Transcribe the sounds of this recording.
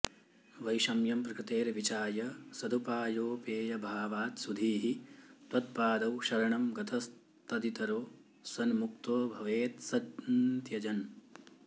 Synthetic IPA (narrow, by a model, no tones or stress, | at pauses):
ʋɐjʃɐmjɐmpɾɐkɾɪt̪eːɾɐʋit͡ʃaːjɐsɐd̪ʱupaːjoːpeːjɐbʱaːʋaːt̪sud̪ʱiːɦit̪ʋɐt̪̚paːd̪ɐwʃɐɾɐɳɐmɡɐt̪ʰɐs | t̪ɐd̪it̪ɐɾoː | sɐnmuk̚t̪oːbʱɐʋeːt̪sɐd̪nt̪jɐd͡ʒɐn